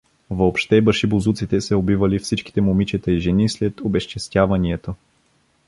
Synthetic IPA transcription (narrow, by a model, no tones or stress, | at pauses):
vopʃt̪ɛbəʃibozut̪sit̪ɛsɛobivɐlifsit͡ʃki̥t̪ɛmomit͡ʃɛt̪əiʒɛnislɛt̪obɛʃt͡ʃɛst̪javɐniɛt̪o